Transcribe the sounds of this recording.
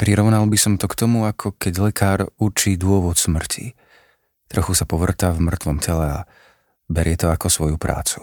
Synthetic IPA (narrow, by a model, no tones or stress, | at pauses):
pɾiɾɔʋnalbisɔmt̪ɔkt̪ɔmuakʰɔkɛɟlɛkʰaːɾut͡ʃiːd̪ʊɔʋɔt̪smr̩cʰḭ | t̪ɾɔxusapɔʋr̩t̪avmr̩t̪ʋɔmcɛlɛa̰ | bɛɾɪɛt̪ɔakɔsʋɔjupɾʔa̰ːt͡su̥